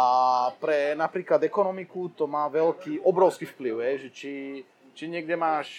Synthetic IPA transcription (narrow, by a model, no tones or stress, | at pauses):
apɾɛnapɾiːklad̪ɛkɔnɔmikut̪ɔmaːʋɛlkiːʔɔbɾɔʊskiːfpliʊɦɛjʒɛt͡ʃi | t͡ʃiɲɪɛɡdɛmaːʃ